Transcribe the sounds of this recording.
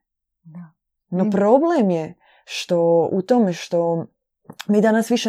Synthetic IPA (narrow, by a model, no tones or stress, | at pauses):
no̞pɾo̞blemje | ʃt̪o̞ṵt̪oːmeʃt̪o̞ | mid̪anasʋiʃe